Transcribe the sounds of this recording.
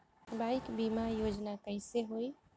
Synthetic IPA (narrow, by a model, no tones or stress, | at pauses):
bajkbimajod͡ʒnakəɪseɦoj